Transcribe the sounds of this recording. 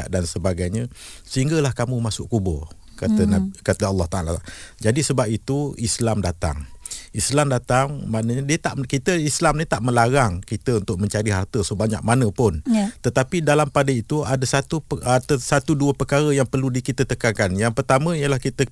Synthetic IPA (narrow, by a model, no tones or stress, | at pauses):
aʔdansəbaɡajɲəsəɦiŋɡəlahkamũmasʊʔkubʊr | kakat̪əɑlːɑht̪aʔalad͡ʒadisəbap̚it̪uislamdat̪a̰ŋislamdat̪aŋmanəɲadiət̪aʔkit̪əislamnit̪aʔməlaɾaŋkit̪əunt̪ʊʔ̚mə̃ɲt͡ʃaɾiɦart̪əsohbaɲa̰k̚manəpʊnt̪ət̪apidalampadəit̪uadasat̪uəat̪əsat̪uduəpəkaɾəjaŋpərludikit̪ət̪əkaŋkanjaŋpərt̪amə̃ijəlahkit̪ə